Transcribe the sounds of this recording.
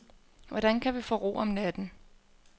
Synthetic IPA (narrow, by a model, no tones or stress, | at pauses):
ʋɒd̥ænkʰæʋifɔ̰ːʁo̝̰ːɒ̽mnæd̥n̩